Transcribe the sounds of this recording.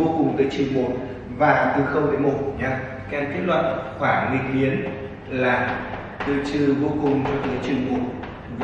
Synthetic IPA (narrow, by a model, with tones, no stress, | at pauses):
o˧kʊ˨˩ŋ͡mt̪ɨ̰ː˨˦jt͡ɕɨ˨˩əŋmo˨˩t̚ | vaː˨˩˨t̪ɨ˨˧˩xə˧wŋ͡mɗə̰˧˦mo˨˩t̚ɲa˧ | ka˧nt̪i˦˥t̚lwə̰˧˨n̚xwaː˧˩lï˨˩ŋ̚ɓi˨˦ən | laː˨˩ | t̪ɨ̰˧˨t͡ɕɨ˧˨˩vo˧kʊ˨˩ŋ͡mt͡ɕɔ˧t̪ɨ˨˦t͡ɕɨ˨˩ŋmo˨˩t̚ | v